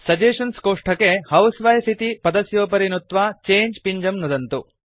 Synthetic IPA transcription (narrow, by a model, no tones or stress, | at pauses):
sɐd͡ʒeːʂɐnskoːʂʈʰɐkehɐwsʋɐjsit̪ipɐd̪ɐsjoːpɐɾinut̪ʋaːt͡ʃeːɲd͡ʒpiɲd͡ʒɐmnud̪ɐnt̪u